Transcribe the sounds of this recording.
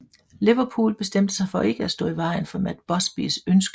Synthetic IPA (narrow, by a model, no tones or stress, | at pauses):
liʋɐpʰṵːlb̥e̝sd̥em̰d̥əsɑ̈ɪfɒ̽ʔe̝ɡ̥əæsd̥ɔ̰ːiʋɑ̈ɪnfɒ̽mæd̥b̥ɒ̽sb̥ḭsønsɡ̥ə